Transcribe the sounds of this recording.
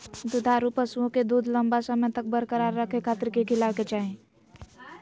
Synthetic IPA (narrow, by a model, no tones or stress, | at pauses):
d̪ud̪ʱaɾupəsuõked̪uːd̪ʱləmbasəməjt̪ək̚bəɾkəɾaɾːəkʰekʰaːt̪ɾkekʰɪlawket͡ʃaːɦẽ